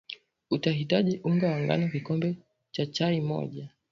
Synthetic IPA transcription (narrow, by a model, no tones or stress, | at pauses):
utaɦitaʄiʔuŋɡawaŋɡa̰nɔkikɔmbɛ | t͡ʃat͡ʃaimɔ̰ʄa